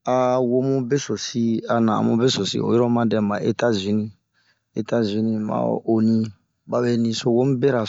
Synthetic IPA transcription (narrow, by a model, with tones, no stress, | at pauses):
a˨wo˦mũ˦be˦so˨si˦a˨nã̰˨mṵ̃˦be˦so˨sḭ˦o̰˨jɔ˦ɾɔ˦mã˦dɛ̃˨mã˨ʔe˦ta˦zi˨nĩ˨ | e˦˨ta˦zi˨nĩ˨ma̰˨ʔo˨nĩ˦ | ba˦be˦nĩ˨so˨wo˦m˦bɛ˦ɾa˨